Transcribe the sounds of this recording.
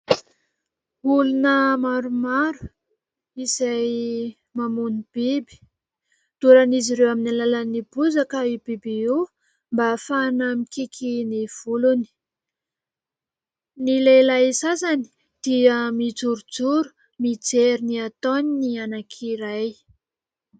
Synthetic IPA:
ulunəmaɾumaɾu̥ | izaj | mamunib̥ibi̥ | d̪̥uɾaniziɾewaminalalanibuzakəibibiu | mbafanamikikʰiniv̥uluni̥ | nilelajsazani̥ | d̪̥iəmid͡zuɾud͡zuɾu̥ | mid͡zeɾiniat̪oninianakʰiɾaj

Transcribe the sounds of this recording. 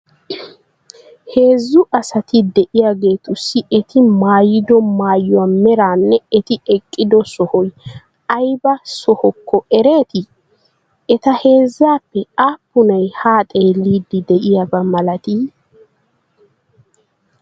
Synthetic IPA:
he̞ːzːʊʔɐsɐt̪ɪd̪ɛʔɪjaɡe̞ːt̪ʊsːɪɛt̪ʰɪmaːjɪd̪ɔmaːjːɔamɛɾaːnːɛɛt̪ɪɛkʼːɪd̪ɔsɔhɔj | ɐjbɐsɔhɔkːɔɛɾe̞ːt̪ɪ | ɛt̪ɐhe̞ːzːaːpːɛaːpːʊnɐjhaːt̪ʼe̞ːlːiːd̪ɪd̪ɛʔɪjabɐmɐlɐt̪iː

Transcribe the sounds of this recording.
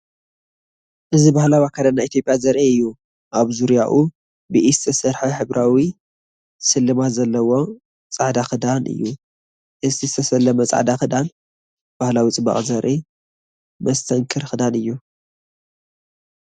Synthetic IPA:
ʔɨzibahlawjakʰad̪anːait̪ʰjopʼjazɐɾʔiɨjːu | ʔaβzuɾijaʔu | bɨʔizɨt̪ʰɐsɐɾħaħɨβɾawi | sɨlːɨmat̪zɐlːɐwo̞ | t͡sʼaʕd̪axɨd̪anɨ̰jːu | ʔɨzt̪ʰizɨt̪ʰɐsɐlɐmɐt͡sʼa̰ʕd̪axɨd̪an | b̥ahlawit͡sʼɨbɐ̰χʼzɐɾʔi | mɐst̪ʰɐŋkʰɨɾxɨd̪anɨjːu

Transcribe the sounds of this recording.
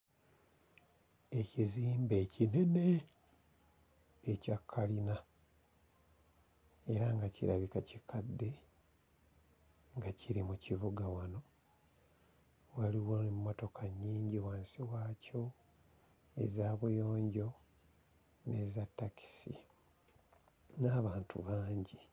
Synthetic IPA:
e̞ciziːmbe̞ːcine̞ne̞ | cakʰːalina | e̞ɾaŋɡacḭɾaβikacikʰadːe̞ | ŋɡaciɾimuciβuɡawano̞ | waliwonemːo̞to̞kʰaɲːiːɲɟiwaːnsiwaːco̞ | ḛzaːβujo̞ːɲɟo̞ | ne̞zatːaki̥sḭ | naːβaːntʰṵβaːɲɟi

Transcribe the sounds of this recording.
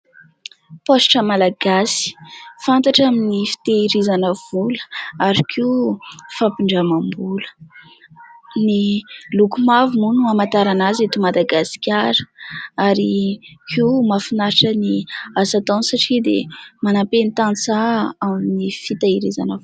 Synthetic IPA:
posʈ͡ʂəmalaɡasi̥fant̪aʈ͡ʂaminifi̥t̪eiɾizanəv̥ulə̥aɾikʰifapiɳɖ͡ʐamambulə̥ | nilukumavumunuamat̪aɾanazet̪imad̪aɡasi̥kʲaɾəaɾikʰimafinaɾʈ͡ʂəniazat̪onsaʈ͡ʂid̪emanapenit̪ant͡saaminifit̪aiɾiza̰nəvu

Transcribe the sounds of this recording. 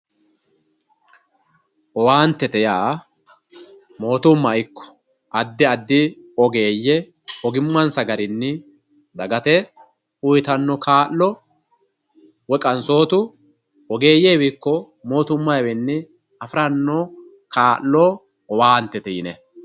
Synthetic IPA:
ʔɔwaːnt̪ːɛt̪ɛjaː | mo̞ːt̪ʊmːɐjkːɔ̥ | ʔɐd̪ːɪɐd̪ːɪ | ɔɡeːjːɛ | ɔɡɪmːɐnsɐɡɐɾɪnːɪ | d̪ɐɡɐt̪ɛ | ʊjt̪ɐnːɔkaːlːɔ | wɛkʼɐnso̞ːt̪ʊ | ɔɡe̞ːjeːwɪkːɔ | mo̞ːt̪ʊmːɐjwɛnːɪ | ɐfɾɐnːɔ | kaːlːɔː | ɔwaːnt̪ːɛt̪ɛjɪnɛ

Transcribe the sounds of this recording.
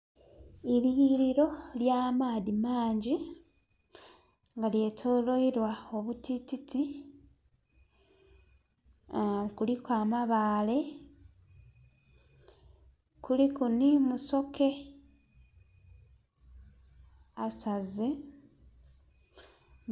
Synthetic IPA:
iɾiiɾiɾo̞ljaːmaːðimaːɲɟi | ŋɡalje̞ːtʰolo̞iɾwao̞βutititʰi | kulikwaːmaβaːle̞ | kulikunimuso̞ke̞ | asaze

